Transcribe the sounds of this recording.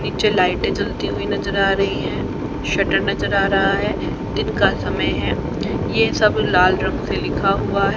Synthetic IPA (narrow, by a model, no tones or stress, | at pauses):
niːt͡ʃelaːɪʈẽd͡ʒɐlt̪iɦuinɐzəɾaːɾɐɦiɦɛ̃ː | ʃɐʈəɾnɐzəɾaːɾɐɦaɦɛː | d̪ɪnkasɐməjɦɛː | jesɐblaːlɾɐ̃ɡselɪkʰaɦʊaɦɛ